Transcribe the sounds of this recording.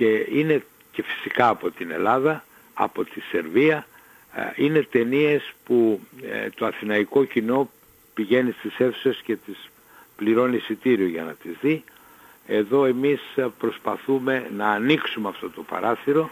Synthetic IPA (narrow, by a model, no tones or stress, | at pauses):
ce̞ine̞ | ce̞fi̥sikɐːpo̞t̪ine̞̰lɐðɐ | ɐ̰po̞t̪ise̞ɾviɐ | ine̞t̪e̞nie̞sput̪o̞ɐθinɐiko̞cino̞ | piʝe̞nist̪ise̞fu̥sesce̞t̪is | pliɾo̞nisit̪iɾioʝɐnɐt̪izði | e̞ðo̞e̞mispɾo̞spɐθume̞nɐːniksumeɐft̪o̞t̪o̞pɐ̰ɾɐθiɾo̞